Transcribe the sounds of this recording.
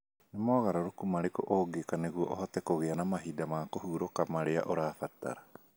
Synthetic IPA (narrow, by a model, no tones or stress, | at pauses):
nemɔːɣaɾaɾokumaɾekoʔoɡekaneɣuɔ̰ʔɔhɔtɛkoɣeanamaɦidamaːkohuɾokamaɾea̰ʔoɾaːfata̰ɾa